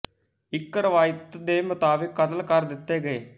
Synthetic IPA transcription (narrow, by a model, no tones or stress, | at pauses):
ɪkɾəʋaːjət̪d̪eːmʊt̪aːbɪkːət̪əlkəɾd̪ɪt̪ːeːɡəeː